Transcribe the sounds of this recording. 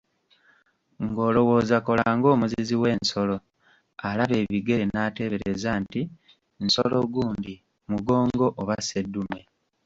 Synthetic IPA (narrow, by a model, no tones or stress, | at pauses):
ŋɡo̞ːlo̞wo̞ːzako̞laːŋɡo̞ːmuziziwe̞ːnnso̞lo̞ | alaβe̞ːβiɡe̞enaːteβe̞ɾezaːnti | nsolo̞ɡuːndi | muɡo̞ːŋɡo̞ʔoβase̞dːume